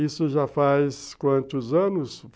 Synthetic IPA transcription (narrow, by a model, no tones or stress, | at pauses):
isʊʒafajskwɐ̃nt̪ʊzɐ̃nʊsv